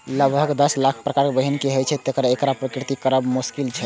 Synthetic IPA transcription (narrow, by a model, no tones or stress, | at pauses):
ləɡbʱəɡd̪əslakʰpɾəkaɾkebəɦinkeɦəjt͡ʃʰɛt̪ekɾaekɾapɾəkɾit̪ikəɾəbmuskilt͡ʃʰɛ